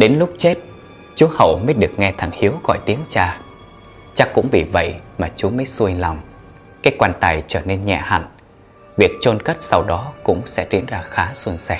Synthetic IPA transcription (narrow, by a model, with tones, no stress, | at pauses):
ɗe˨˦nlʊ˦˥k͡p̚t͡ɕe˦˥t̚ | t͡ɕu˨˦hə̰˧˩wməː˨˦jɗɨ˨˩ək̚ŋɛ˧t̪ʰa˧˩ŋhi˨˦əwɣɔ̰˧˨jt̪i˨˦ənt͡ɕaː˧˩ | t͡ɕa˦˥kkːʊ̰˧˥ŋ͡mvḭ˨˩və̰˧˨jmaː˨˩t͡ɕu˨˦məː˨˦jsu˧əjlɔ˨˩wŋ͡m | kaː˨˥jkwaː˧nt̪aː˧˩jt͡ɕəː˧˩ne˧nɲɛ̰˧˨ha̰˧˨ŋ | vi˨˩ək̚t͡ɕo˧nkə˦˥t̚sa˧wɗɔ˨˦kʊ̰˧˥ŋ͡msɛ̰˧˥tḭ˨˧˥ənzaː˧xaː˨˦swə˧nsɛ˧˩